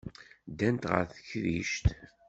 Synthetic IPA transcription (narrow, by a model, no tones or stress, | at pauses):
d̪ænt̪ʁə̰ɾθəçðiʃt̪